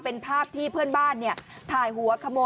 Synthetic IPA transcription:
pe˧npʰaː˥˩p̚t̪ʰiː˥˩pʰɯ˥˩ənbaː˥˩nːi˥˩ɐt̪ʰaː˨˩jɦu˩˦ɐkʰa˧moː˧

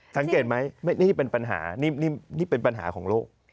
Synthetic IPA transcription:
sa˩˦ŋke˨˩t̪̚ma˦˥jma˥˩niː˥˩˥pe˧npa˧nɦa̰ː˩˦niː˥˩niː˥˩niː˥˩pe˧npa˧nɦa̰ː˩˦kʰɔː˩˦ŋloː˥˩k̚

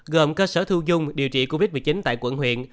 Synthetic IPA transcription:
ɣə˨˩mkəː˧səː˧˩t̪ʰu˧zʊ˧ŋ͡mɗi˨˩əwt͡ɕḭ˧˨ko˧vi˦˥t̚mɨ˨˩t͡ɕi˨˦nt̪a̰ː˧˨jkwə̰˧˩nhwḭ˧˨ən

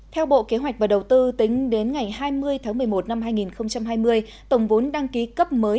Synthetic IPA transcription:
t̪ʰɛ˧wɓo̰˧˨ke˨˦ɦwa˨˩k̟̚vaː˨˩ɗə˨˩wt̪ɨ˧t̪ï˨˦ŋ̟ɗe˨˦nŋa˨˩jɦaː˧jmɨ˧əjt̪ʰaː˨˦ŋmɨ˨˩əjmo˨˩t̚na˧mɦaː˧jŋi˨˩nxə˧wŋ͡mt͡ɕa˧mɦaː˧jmɨ˧əj | t̪ə˧˩wŋ͡mvo˨˦nɗa˧ŋki˨˦kə˦˥p̚məː˨˦

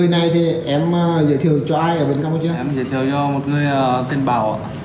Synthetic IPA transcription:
ə˧jna˨˩jt̪ʰi˨˩ʔɛ˧mː˨˩zə̰˧˨t̪ʰi˧˩əwt͡ɕɔ˧ʔaː˧jʔəː˧˩ɓe˧˩nka˧wm˧˩t͡ɕːɛ˧mzə̰˧˨t̪ʰi˨˩əwt͡ɕɔ˧mo˨˩t̚ŋɨ˧əjəː˨˩t̪i˧nɓaː˧˩wʔa̰ː˧˨

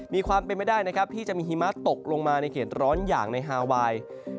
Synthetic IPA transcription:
miː˧kʰwaː˧mpe˧nma˥˩jdaː˥˩jna˦˥kʰa˦˥p̚t̪ʰiː˥˩t͡ɕa˨˩ʔmiː˧ɦiː˧˥ma˦˥˩t̪o˨˩k̚lo˧ŋmaː˧na˧jkʰeː˩t̪̚ɾɔː˦˥njaː˨˩ŋna˧jɦaː˧waː˧j

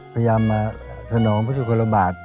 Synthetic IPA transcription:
pʰa˧ja˧jaː˧mːaː˧sʰa˧nɔː˩˦ŋpʰuː˦˥sʰuː˨˧˩kʰo˧nla˧baː˨˩t̪̚

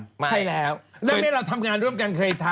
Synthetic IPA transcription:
a˧˩jlɛː˨˦˥wna˧˦˧a˧˥˩ɾaː˧wt̪ʰa˧mŋaː˧nɾu˥˩əmkaː˧ŋkʰəː˧jt̪ʰa˧

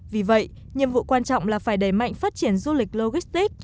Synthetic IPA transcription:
vi˨˩və̰˧˨j | ɲɨ̰˧˨əmvṵ˧˨kwaː˧nt͡ɕɔ̰˧˨wŋ͡mlaː˨˩faː˧˩jɗə˧˩jma̰˧˨jŋfaː˦˥t̚t͡ɕi˧˩ənzu˧lï˨˩k̚lo˧ɣi˦˥st̪i˦˥k̚

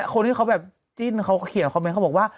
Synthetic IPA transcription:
kʰo˧nt̪ʰi˥˩a˦˥wbɛː˨˩p̚ | t͡ɕi˥˩nkʰa˦˥wkɔ˥˩ki˨˩˦nʰ˨˩˧me˧˥nka˦˥wbɔ˨˩waː˥˩

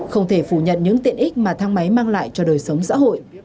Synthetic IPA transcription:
xə˧wŋ͡mt̪ʰe˧˩fu˧˩ɲə̰˧˨nɲɨ̰˧˥ŋt̪ḭ˧˨ənʔi˦˥k̟̚maː˨˩t̪ʰaː˧ŋma˨˦jmaː˧ŋla̰ː˧˨jt͡ɕɔ˧ɗəː˨˩jsə˨˦wŋ͡msa̰ː˧˥ɦo̰˧˨j

